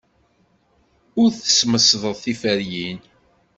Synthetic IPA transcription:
ʊɾθə̥sməsðˤəðˤθifəɾjin

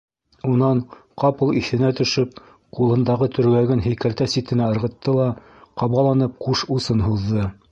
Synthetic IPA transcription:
unɑɴqɑpɤlˠiθɘ̆næt̪ɵ̆ʃɵp̚ | qulˠɤ̆nd̪ɑʁɤt̪ʰɵ̆ɾ̆ɡæɡɘnɦɘ̆jkælt̪æsit̪ɘ̆næɤ̆ɾʁɤ̆t̪ːɤlˠɑ | qɑβɑlˠɑnɤp̚quʃusɤnɦuðːɤ

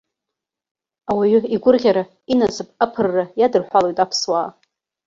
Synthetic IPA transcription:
awaɥʏiɡʷʊrʁʲaɾa | inat͡sʰɨpʼapʰɨrːajadɨrħʷalojtʼapʰswaː

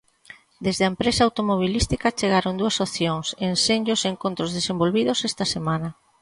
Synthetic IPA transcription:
d̪ezðeɐempɾesaawt̪omoβ̞ilist̪ikɐt͡ʃeɣ̞aɾond̪uɐsopθjoŋsenseɲoseŋkont̪ɾozðesembolβiðosɛst̪ɐsemanɐ

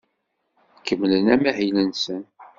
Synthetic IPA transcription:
kːəmːlənæmæhilənsən

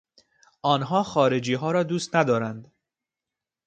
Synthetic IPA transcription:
ʔɒːnɦɒːxɒːɾe̞d͡ʒiːɦɒːɾɒːd̪uːst̪næd̪ɒːɾænd̪

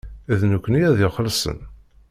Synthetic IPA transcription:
æðnukʷːənijæðɪχəlsə̰n

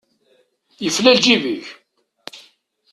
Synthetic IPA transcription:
jəflæld͡ʒiviç

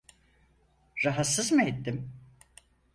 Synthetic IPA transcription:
ɾaɦat̪sɯzmɯet̪ːim

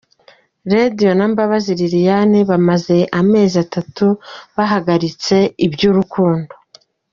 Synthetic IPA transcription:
ɾadijo̞nambaβaziɾiɾijaniβamaze̞ʔame̞ːziatatuβaɦaɡaɾit͡se̞ibjuːɾukuːndo̞

